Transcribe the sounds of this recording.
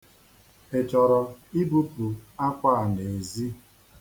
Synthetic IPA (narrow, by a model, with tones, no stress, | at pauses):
e˨t͡ʃɔ˨ɾɔ˨i˦bu˦pu˨a˦kʷa˦a˨ne˨zi˦